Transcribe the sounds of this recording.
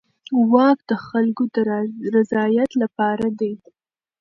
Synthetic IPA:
wɑk̚d̪əxalkod̪əɾɾazɑjat̪lapɑɾad̪e

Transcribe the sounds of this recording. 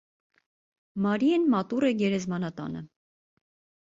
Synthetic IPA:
mɑɾiɛnmɑt̪urɛɡɛɾɛzmɑnɑt̪ɑ̰nə̰

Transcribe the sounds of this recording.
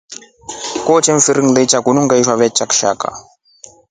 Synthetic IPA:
kɔt͡ʃeɱfiɾiŋlet͡ʃaɡunuŋɡaiʃwaβɛt͡ʃʼakʃa̰ka̰

